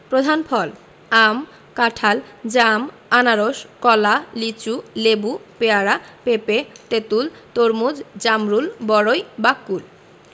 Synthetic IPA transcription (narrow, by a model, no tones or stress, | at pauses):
pɾod̪ʱanpʰɔl | am | kaʈʰald͡ʑam | anaɾoʃkɔlalit͡ɕulebupeaɾapepet̪et̪ult̪oɾmud͡ʑd͡ʑamɾulbɔɾojbakːul